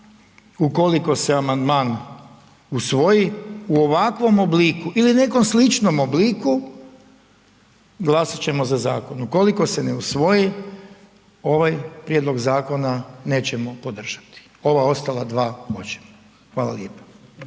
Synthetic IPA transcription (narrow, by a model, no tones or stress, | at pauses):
uko̞liko̞seamand̪maːn | usʋo̞jiuo̞ʋakʋo̞mobliːkuʔiline̞ko̞mslit͡ʃno̞mobliːku | ɡlˠasat͡ɕe̞mo̞zaza̰ːko̞nuko̞liko̞seneusʋo̞ji | o̞ʋajpɾjed̪lˠo̞ɡzaːko̞nane̞ːt͡ɕemo̞po̞d̪r̩ʒ̥ḁt̪i̥ | o̞ʋao̞st̪alad̪ʋaːot͡ʃe̥mo | xʋaːlˠa̰ljeːpḁ